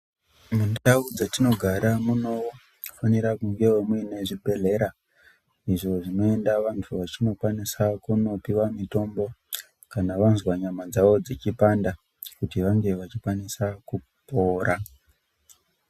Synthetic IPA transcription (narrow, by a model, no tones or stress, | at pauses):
mundaud͡zatino̞ɡʱaɾamuno̞ | faniɾakuŋɡe̞wemuene̞ʐibʱe̞ɮe̞ɾa | iʐo̞ʐino̞endaʋantʰuʋat͡ʃino̞kwanisakuno̞piwamito̞mbo̞ | kanaʋanzwaɲamad͡zaʋo̞d͡zet͡ʃipanda | kutiʋaŋɡe̞ʋat͡ʃikwanisaku | po̞ːɾa